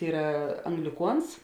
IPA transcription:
ˈiːrɐ ɐŋɡlʲɪˈkuɔns

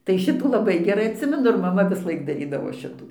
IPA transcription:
tɐɪ ˈʃʲɪtuː lˠɐˈbɐɪ ɡʲɛˈrɐɪ ɐtʲˈsʲɪmʲɛnʊ ɪr mɐˈmɐ ʋʲɪsˈlˠɐɪk dɐˈrʲiːdɐʋoː ˈʃʲɪtuː

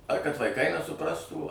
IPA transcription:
ɐr kɐt ʋɐɪˈkɐɪ nʲɛsʊˈprɑːstuː

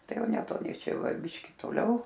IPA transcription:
ˈtɐɪ ˈjɛʊ nʲɛˈtoːnʲɛɪ ˈt͡ʃʲɛ ˈjɛʊ ˈʋɐ ˈbʲɪʃʲkʲɪ toːˈlʲɛʊ

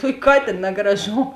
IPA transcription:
ˈtuɔkʲ ˈkɑːtʲeːn nʲɛɡrɐˈʒoːm

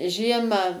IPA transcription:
ˈʒʲiɛmɑː

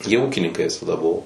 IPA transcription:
jiɛ ˈuːkʲɪnʲɪŋkɐɪ ʋʲɪsɐˈdɐ ˈbʊʋoː

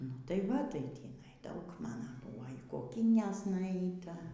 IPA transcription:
nʊ ˈtɐɪ ˈʋɐ tɐɪ ˈtʲiːnɐɪ ˈdɐʊk ˈmɑːnɐ ˈbuɔ iː koːˈkʲiːnʲɛs nʊˈɛɪtɐ

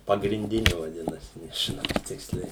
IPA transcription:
pɐɡrʲɪnʲˈdʲɪnʲɪ ʋɐˈdʲɪnɐsʲɪ nʲɛʒʲɪˈnɐʊ ˈtʲɪksʲlʲɛɪ

